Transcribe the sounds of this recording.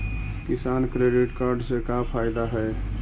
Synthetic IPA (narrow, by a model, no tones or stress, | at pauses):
kɪsaːnkɾeːɖɪʈkaːɾɖsekapʰaːɪd̪aɦɛː